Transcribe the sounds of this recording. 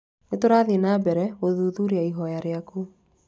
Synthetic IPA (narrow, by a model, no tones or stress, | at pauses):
netoɾaːðenabɛɾɛɣoðuːðuɾeaiɦɔjaɾeaku